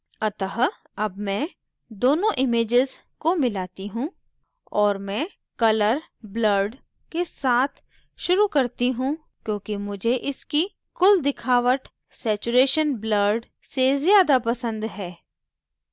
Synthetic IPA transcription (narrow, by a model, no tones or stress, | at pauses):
ɐt̪əɦ | ɐbmɛ̃ː | d̪oːnõʔɪmeːd͡ʒɪz | komɪlaːt̪iɦũ | ɔːɾmɛ̃ː | kɐləɾbləɾɖ | kesaːt̪ʰ | ʃʊɾukɐɾt̪iɦũ | kjõːkimʊd͡ʒʱeʔɪski | kʊld̪ɪkʰaːʋəʈ | sɛːt͡ʃuɾeːʃənbləɾɖ | sezjaːd̪apɐsə̃nd̪ɦɛː